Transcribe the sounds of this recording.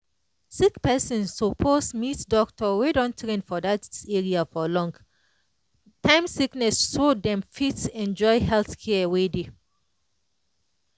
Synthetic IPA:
sikpɛsɔ̃nsːɔpʰosmitdɔktʰɔwedɔ̃ntʰɹẽnfɔdateɹiafɔlɔ̃ŋɡ | tãɪ̃msiknɛsʃodɛ̃mfitɛ̃nd͡ʒɔɪhɛlθkʰɛəwede

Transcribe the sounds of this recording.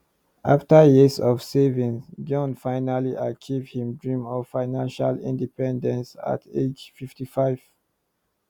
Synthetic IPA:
ʔa̰ftajisɔv̥sevĩnsd͡ʒɔ̃nfaɪnaliʔat͡ʃivhĩmdɹĩmɔvfaɪnãnʃalḭ̃ndipɛ̃ndɛ̃nsa̰ted͡ʒfiftifaɪv̥

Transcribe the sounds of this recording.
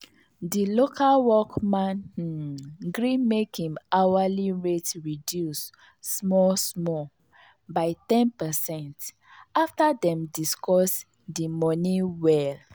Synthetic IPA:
dilokʰalwɔkmãn | ɡɹĩnmekĩmawaliɹetɹidjusː | mɔsmɔ | baɪtɛ̃npɛsɛ̃nt | aftadɛ̃mdiskɔs | dimɔniwɛl

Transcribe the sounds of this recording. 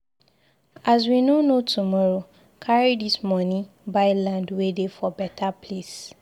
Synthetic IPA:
az̬winonotʰumɔɹo | kʰaɹidismɔnĩ | baɪlãndwedefɔbɛtʰapʰles

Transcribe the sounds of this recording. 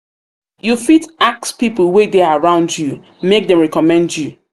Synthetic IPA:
jufitak̚spipəl̩ˠwedeaaɹãʊ̃ndju | mek̚dɛ̃mɹɛkɔmɛ̃ndju

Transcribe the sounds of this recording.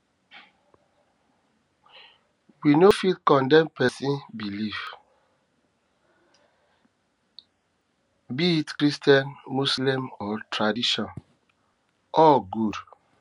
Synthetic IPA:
winofilkɔ̃ndɛ̃mpɛsĩnbilif | biitkɾistiãnmuslĩmɔtɾadiʃɔ̃n | ɔɡud

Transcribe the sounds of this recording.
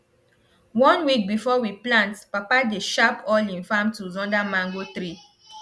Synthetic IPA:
wɔ̃nwik̚bifɔwiplãntpapadeʃapʰɔlĩnfãmtuzɔ̃ndamãŋɡot̪ɾi

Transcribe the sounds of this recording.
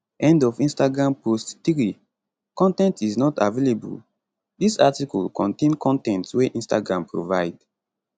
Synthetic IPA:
ʔɛ̃ndɔfĩnstaɡɹãmpostθɹi | kɔ̃ntɛ̃ntiznɔtavelebṵl | disatikɔlkʰɔ̃ntẽnkʰɔ̃ntɛ̃ntweʔĩnsta̰ɡɹãmpɹo̰vaɪd

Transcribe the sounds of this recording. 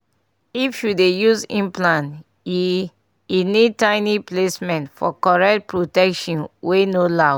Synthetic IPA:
ifjudejuzĩmplãn | inid̚tãɪniplesmɛ̃ntfɔ̰kɔɹɛk̚t̚pɹotɛkʃɔ̃nwenola

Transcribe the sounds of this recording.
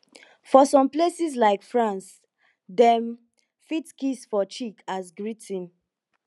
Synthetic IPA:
fɔsɔ̃mplesis̬laɪkfɹãns | dɛ̃m | fitkisfɔt͡ʃikʰasɡɹitʰĩn

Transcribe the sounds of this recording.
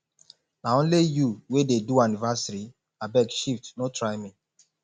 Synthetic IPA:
naõnlijuwededuanivasaɾi | abɛkʃiftnotʰɹaɪmi

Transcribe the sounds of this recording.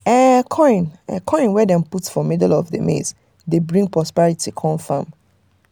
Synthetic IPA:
ɛkʰɔ̃ɪ̃nɛkʰɔ̃ɪ̃nwɛdɛ̃mputsfɔmɛdlɔvdəmḛz | debɹĩŋɡpʰɹɔspɛɹitʰikʰɔ̃nfã̰m

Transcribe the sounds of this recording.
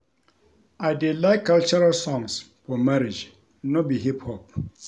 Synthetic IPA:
ajdelaɪkːalt͡ʃɔɾalsɔ̃ŋs | fɔmaɾid͡ʒ | nɔbiɦiphɔp̚

